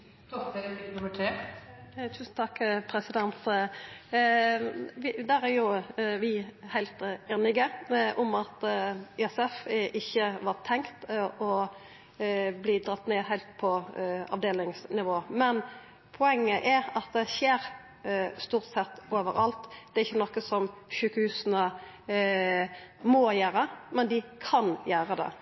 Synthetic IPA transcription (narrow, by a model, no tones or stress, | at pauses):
t̪ɔɛɾɪnʊməʈʰɾeː | t̪ʰʉːsn̩t̪ʰɑkːpʰɾɛsɪd̪ɛnt̪ | ʋɪd̪æɾæɾjʊʋɪhæɪlt̪eːnɪɡəʔʊmɑt̪iɛsɛfʔɪçːəʋɑːt̪ʰɛŋkt̪ʔɔ | bliːd̪ɾɑt̪ːneːhæɪlt̪̚pʰɔɑ̰ʋd̪eːlɪŋsnɪʋoːmɛn | pʰʊɛŋːəʔɛɾɑt̪̚d̪ɛçeːɾ | st̪uːɾt̪sɛt̪ːoːʋəɾɑlt̪d̪̥ɛɾɪçːənɔkːəsɔmʃʉːkəhʉːsənə | mɔjæːɾəmɛnd̪ɪkʰɑnjæːɾəd̪ɛ̰